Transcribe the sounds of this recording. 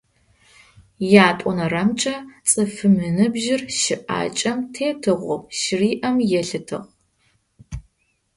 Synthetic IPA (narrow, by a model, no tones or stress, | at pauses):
jaːtʷʼɔnɐrɐmt͡ʃʼɐt͡sʼɨfɨmɨnɨbʒɪrʃɪʔa̰ːt͡ʃʼɐmtʰeːtʰɨʁʷʊ̰ʃɪriːʔɐmjɛɬɨtʰɨ̰ʁ